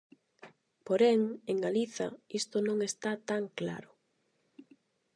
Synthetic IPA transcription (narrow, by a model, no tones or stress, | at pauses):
poɾɛŋeŋɡaliθɐ̰ist̪ʊnõŋest̪at̪aŋkla̰ɾʊ